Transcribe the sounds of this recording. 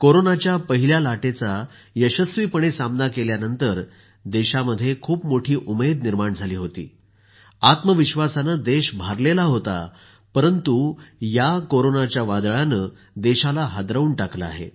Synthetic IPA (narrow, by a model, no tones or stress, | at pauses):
koɾonat͡ɕjapəɦiljalaʈet͡sa | jəɕəsʋiːpəɳesamnakeljanənt̪əɾ | d̪eɕaməd̪ʱːjekʰuːpmoʈʰiːʔumed̪niɾmaɳd͡zʱaliːɦot̪ḭː | at̪məʋiɕʋasanəd̪eɕbʱaɾlelaɦot̪a̰ | pəɾənt̪ujakoɾonat͡ɕjaʋad̪ɭanəː | d̪eɕalaɦad̪ɾəuːɳʈaklaa̰ɦḛ